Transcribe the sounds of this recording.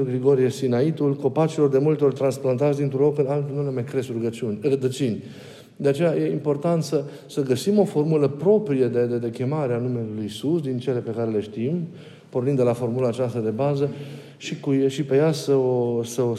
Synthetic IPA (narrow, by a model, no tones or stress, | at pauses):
ɡɾiɡo̞ɾijesinait̪ulko̞pat͡ʃilo̞rd̪e̞mult̪eo̞rt̪ɾansplant̪at͡ssʲd̪int̪ɾuokɨnalt̪unulemajkɾesɾuɡət͡ʃunʲrəd̪ət͡ʃinʲ | d̪e̞at͡ʃe̞jaje̞impo̞rt̪ant̪sə | səɡəsimo̞fo̞rmuləpɾo̞pɾijed̪ed̪ed̪e̞kʲe̞maɾeanume̞lujsusd̪int͡ʃe̞le̞pe̞kaɾe̞le̞ʃt̪im | pornind̪elafo̞rmulaːt͡ʃast̪əd̪e̞bazə | ʃikuʃipe̞jasəosəo